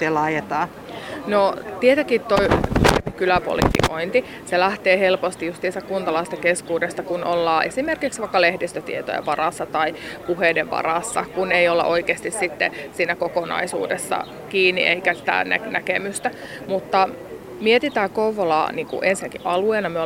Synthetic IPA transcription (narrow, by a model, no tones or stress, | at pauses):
elɑjet̪ɑː | not̪iet̪ɑkit̪t̪ːoienekylæpo̰lḭfḭkoint̪i | selæht̪eːhelpost̪ijust̪siːst̪ækunt̪ɑlɑist̪ɑkeskuːdesːɑkunʔolːɑːʔesimerkiksʋɑikːɑlehdist̪øt̪ḭet̪o̰jḛʋʋɑrɑsːɑt̪ɑipuheːdeʋʋɑ̰rɑsːɑkuneiolːɑ̰ʔoikeːst̪issit̪ːḛsiːnækokonɑ̰isṵːdesːɑ̰ | kiːnːḭʔḛikæsi̥t̪æ̰næ̰nækemyst̪æ | mut̪ːɑ | miet̪it̪æːkouʋolɑ̰ːniːŋkṵʔensinækiʔʔɑlueːnɑmyø